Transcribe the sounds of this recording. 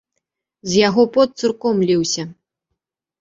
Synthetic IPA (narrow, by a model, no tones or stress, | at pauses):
zʲjaɣɔpɔt̪sɨrkɔmlʲiwsʲɐ